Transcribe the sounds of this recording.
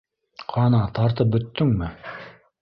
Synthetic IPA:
qʰɑnɑt̪ɑɾt̪ɤp̚bɵ̆t̪ːɵŋmɘ

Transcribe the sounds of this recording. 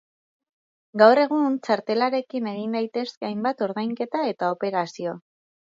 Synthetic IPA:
ɡawre̞ɣ̞unt͡ʃaɾt̪e̞laɾe̞kine̞ɣind̪ajt̪e̞skeajmbat̪o̞ɾðajŋke̞t̪ae̞t̪ao̞pe̞ɾasio̞

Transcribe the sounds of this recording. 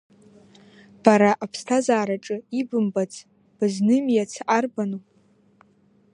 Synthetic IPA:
b̥aɾaʔapʰstʰazaːɾaʈ͡ʂʼɨibɨmbat͡sʰʼ | b̥ɨznɨmjat͡sʰʔarbanu

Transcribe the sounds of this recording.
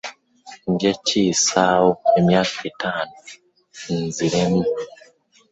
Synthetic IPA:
ndaciːsahoemjaːkaitaːnu | nziɾem

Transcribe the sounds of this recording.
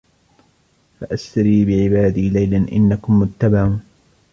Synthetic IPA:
faʔast̪aɾiːbɪʕɪbaːd̪iːlajlanʔɪ̰nːakʊmːʊt̪ːabaʕuːn

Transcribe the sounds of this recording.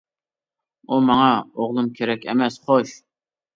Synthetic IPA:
umɑŋɑoʁlˠumkʲʰeɾɛkʲḛmɛsχoʃ

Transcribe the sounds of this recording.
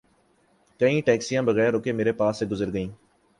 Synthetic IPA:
kəĩːʈɛːksijãːbəɣɛːɾoːkeːmeːɾepaːsːeɡʊzəɾɡəĩː

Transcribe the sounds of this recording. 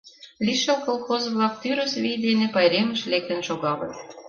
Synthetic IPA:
lʲiʃɤ̆lˠkolˠxozɤ̆vlɑk̚t̪yɾə̆svʲijd̪enĕpɑjɾemɘ̆ʃlʲek̚t̪ɘ̆nʃoɣɑlɤ̆t̪

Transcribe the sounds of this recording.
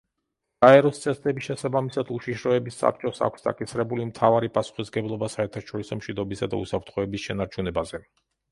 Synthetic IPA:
ɡ̥aɛɾɔst̪sʼʰɛst̪ɛbiʃɛsabamisad̪uʃiʃɾɔɛbisːa̰p̚t͡ʃʼɔsa̰kʷsd̪a̰kʼisɾɛbulimt̪ʰavaɾipʼasu̥χisɡɛblˠɔbasaɛɾt̪ʰaʃɔɾisɔmʃid̪ɔbisad̪a̰ṵsapʰɾt̪ʰχɔɛbisʃɛnaɾt͡ʃʰunɛbazɛ

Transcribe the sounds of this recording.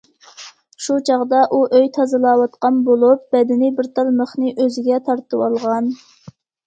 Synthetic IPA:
ʃut͡ʃʰɑʁd̪ɑʔuʔøjt̪ʰɑzɨlˠɑːwɑt̪qɑnbolˠup̚b̥ɛd̪ɪnɪbɪɾt̪ʰɑlˠməχnɨʔøzɪɡʲɛt̪ʰɑɾt̪ʰɨwɑlˠʁɑn

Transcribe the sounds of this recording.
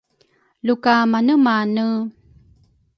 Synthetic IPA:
lukamanəmanə

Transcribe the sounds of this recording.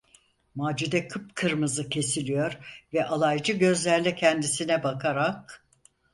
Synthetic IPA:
maːd͡ʒud̪ɛkʰɯpkʰɯɾmɯzɯcʰe̞silʲijo̞ɾvɛʔalˠajd͡ʒɯɟø̞zlʲæɾlʲɛcʰɛnd̪isinɛbakʰaɾak̚

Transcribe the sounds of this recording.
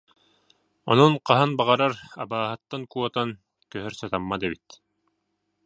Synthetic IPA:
ɔ̰nɔnqaɦanbaʁaɾaɾa̰baːɦat̪ːankuɔt̪an | kœɦœɾsat̪amːad̪ɛbit̪

